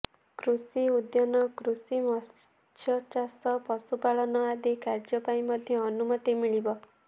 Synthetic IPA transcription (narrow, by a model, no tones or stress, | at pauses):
kɾusiud̪jɔnɔkɾusimɔs | t̪ʰjɔt͡ʃasɔpɔsupaɭɔnɔad̪ikaɾd͡ʒɔpaĩmʌd̪ʱjɔːnumɔt̪imiɭibɔ